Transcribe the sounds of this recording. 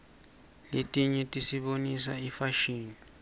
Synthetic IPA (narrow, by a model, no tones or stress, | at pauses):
letʼiɲɛtʼisiɓonisa̰ifaʃiːni